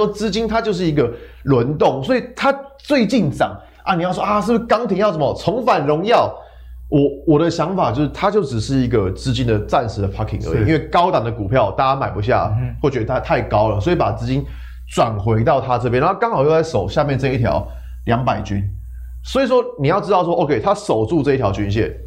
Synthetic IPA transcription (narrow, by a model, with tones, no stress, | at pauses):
ɔ˥t͡sɹ̩˥t͡ɕi˥nt̪ʰa˥t͡ɕjo˥˧ʊʂ̬ɻ̩˥˩i˧˥ɡə˨ | lwə˧˦˥nt̪o˥˨˩ŋswɔ˧˥i˨t̪ʰa˦t͡swe˥˧ɪt͡ɕi˥˨˩nt͡sɑ̰˨˩˦ŋ | ʔa̰˧˩ni˨jʊs̬wʔa˥˧ʂɻ̩˥˩bʂkɑ˥ŋt̪ʰi˧˥ŋjʊsə˩˦mə˨˩t͡sʰɔ˧˥ŋfa˨˩nɻʊ˧˦ŋjɑ˥˨ʊ | wʔɔ˨˩wɔ˨˩ɾə˨ɕjɑ˧˦˥ŋfa˨˩t͡ɕo˥˧ʊʂɻ̩˥˩t̪ʰa˥t͡ɕjo˥˩ʊʈ͡ʂɻ̩˨˩ʂɻ̩˥˩i˧˥ɡə˨t͡sɹ̩˥˧t͡ɕi˥nd̪ə˨t͡sa˥˨˩nʂɻ̩˧˥d̪ə˨pʰa˥kʰːḭ˨˩ŋʔə̰˧˦i˨i˦nwe˥˩ɪkɑ˥ʊt̪ɑ˨˩ŋd̪ə˩ku˨˩pʰjɑ˥˩ʊt̪a˥˩t͡ɕa˥ma˨˩ɪpu˧˦ɕ̬ja̰˥˩xwɔ˥˩t͡ɕɥɛ˧˥d̪ə˧˩a˥t̪ʰa˥˩ɪkɑ˦ʊlə˨˩swɔ˧˥i˨˧˥pa˨˩t͡sɹ̩˥˧t͡ɕi˦˥n | t͡swa˨˩nxwe˧˥ɪt̪ɑ˥˨ʊt̪ʰa˦t͡sɤ˥˩pjna˧˦˥kɑ˥˦ŋxhɑ˨˩ʊjo˥˧t͡sa˥˩ɪʂo˨˩ʊɕja˥˧mjɛ˥˧nt͡sɤ˥˧i˩t̪ʰjɑ̰˧˥ʊ | ljɑ˧˥ŋpa˨˩ɪt͡ɕy˦˥n | swɔ˧˥i˨˩ʂ̬wɔ˥ni˨˩jɑ˥˩ʊʈ͡ʂɻ̩˥t̪ɑ˥˩ʊswɔ˥ʔo˥˧kʰe˥˩ɪt̪ʰa˦˥so˨˩ʊt͡su˥˧ʈ͡ʂɤ˥˧i˥t̪ʰjɑ˧˥ʊt͡ɕy˧˥nɕ̬jɛ̰˥˨n